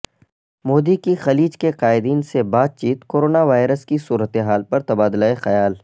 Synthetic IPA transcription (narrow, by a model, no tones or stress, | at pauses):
moːd̪ikixɐliːd͡ʒkeqaːɪd̪iːnsebaːd̪̚t͡ʃiːt̪koːɾoːnaʋaːɪɾəskisuːɾət̪eɦaːlpɐɾt̪ɐbaːd̪laːexɐjaːl